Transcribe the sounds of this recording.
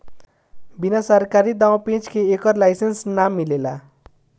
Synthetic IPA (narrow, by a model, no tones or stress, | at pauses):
binasʌrkaɾid̪awpẽt͡skʰeːkʌrlajsensnamːilela̰